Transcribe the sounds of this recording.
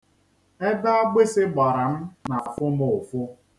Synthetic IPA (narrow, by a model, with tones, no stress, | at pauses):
e˦da˦a˦ɡ͡be˦sɪ˦ɡ͡ba˨ɾa˨m̩˦na˨a˨fʊ˦mʊ˨ʊ˨fʊ˦